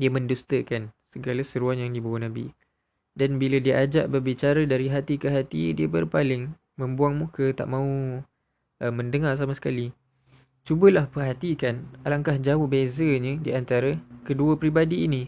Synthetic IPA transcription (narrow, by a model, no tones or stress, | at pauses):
diəmə̃ndust̪əkansəɡaləsəɾuanjaŋdibawanabḭ | danbilədiəʔad͡ʒaʔbərbit͡ʃaɾədaɾiɦat̪ikəɦat̪idiəbərpalɪŋ | mə̃mbuaŋmũkət̪a̰ʔmãu | ʔəmə̃ndəŋarsamasə̥kali | t͡ʃubəlahpərɦat̪ikanalaŋkahd͡ʒaʊhbezəɲə̃diant̪aɾəkəduəpɾibadiːnĩ